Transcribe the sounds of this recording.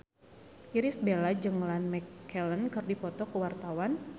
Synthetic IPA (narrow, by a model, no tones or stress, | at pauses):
ʔiɾisbelad͡ʒəŋlanmɛkːɛlənkərdipɔt̪ɔkəwart̪awan